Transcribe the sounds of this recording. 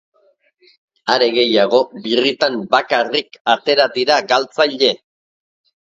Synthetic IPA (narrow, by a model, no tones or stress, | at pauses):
aɾe̞ɣe̞jaɣ̞o̞birit̪ambakarikat̪e̞ɾad̪iɾaɡalt͡sajʎe̞